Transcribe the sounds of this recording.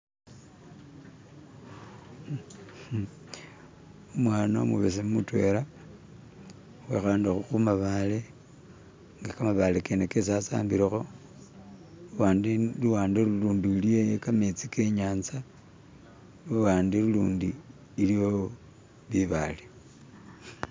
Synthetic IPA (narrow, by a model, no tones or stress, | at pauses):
omwaːnomṵβes̬emutwe̞̰la | wexaːndixuxumaβale̞ | ŋɡakamaβalekenekes̬asa̰ːmbiɾexo̞ | luadluwaːndeɾuluːndilijejekamet͡sikeɲaːnza | luwaːndiɾuluːndiː | lijo | βiβale